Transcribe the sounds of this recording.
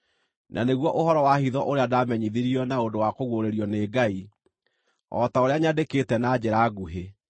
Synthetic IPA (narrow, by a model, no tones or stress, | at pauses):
nʔa̰neɣwɔʔohɔɾɔwahiðɔʔoɾeadamɛɲiðiɾiɔnaodowakoɣwoɾeɾiɔneɡai | ɔ̰taoɾeaɲadeketɛnad͡ʑeɾaːɡuɦe